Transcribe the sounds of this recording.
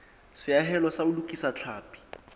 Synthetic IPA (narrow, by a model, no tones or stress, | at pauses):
sɪaɦɛlɔsaʊlukʼisat͡ɬʰaːpʼi̥